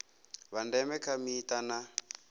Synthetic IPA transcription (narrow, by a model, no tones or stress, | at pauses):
βandɛmɛkʰamiːtana